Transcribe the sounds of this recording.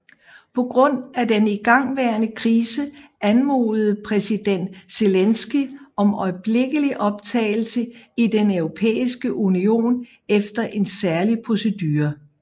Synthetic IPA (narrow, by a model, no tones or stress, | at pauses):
pʰɒ̽ɡ̥ʁɔ̽n̰ædeniɡ̥ɑ̈ŋ̰ʋæɐnəkʰʁiːsəʔænmo̰ːlð̩ˠpʰʁɛsid̥en̰d̥se̝lensɡ̥iɒ̽mɒɪb̥le̝ɡ̥əliʔɒ̽b̥̚t͡sʰɛ̰ːɪl̩səid̥enøʊʁo̝pʰḛːisɡ̥əʔunio̝̰ːn | efd̥ɐʔe̝nsæɐlipʰʁo̝se̝d̥yːɐ